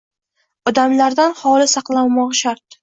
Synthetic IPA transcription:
ɒd̪amlaɾd̪anhɒlɪsɑqlˠawmɒʁʃaɾt̪̚

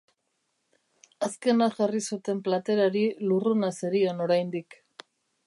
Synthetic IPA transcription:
aske̞naʝarisut̪e̞mplat̪e̞ɾaɾilurunaseɾiono̞ɾajnd̪ik

